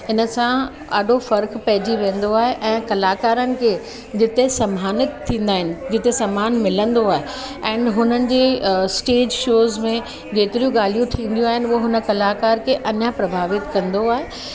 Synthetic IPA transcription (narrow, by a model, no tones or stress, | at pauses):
ɪnə̆sã | ɐ̰ɗʱofɐɾkpɐɦɪd͡ʑiʋẽːn̆d̪oaːɦeʔɛ̃ːkɐlaːkaːɾənɪ̆kʰeː | d͡ʑɪt̪esɐmaːnɪt̪t̪ʰːĩːn̆d̪aːɦɪnɪ̆d͡ʑɪt̪esɐmaːnmɪlə̃nd̪oaːɦe | ɛ̃ːnɦʊn̤ənɪ̆d͡ʑeːsʈeːd͡ʑʃoːzmẽ | d͡ʑeːt̪ɪɾijũɡaːl̤ijũt̪ʰĩːn̆d̪ijũaːɦɪnɪuɦɦʊnə̆kɐlaːkaːɾkʰeʔɐɲəpɾɐbʱaːʋɪt̪kɐ̃nd̪oaːɦe